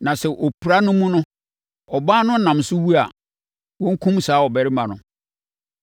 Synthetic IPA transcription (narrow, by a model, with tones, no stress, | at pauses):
nã˨sɛ˨ʔɔ˨pʰu˨ɾa˦nʊ̃˦mũ˦nʊ̃˦ | ɔ˨baː˦nʊ̃˦n̩˦nã˨msʊ˦wu˦a˨ | wɔ̃˦ŋ̩˦kʰũ˦msaː˨˦ɔ˨bɛ˨ɾɪ˦mã˨nʊ̃˨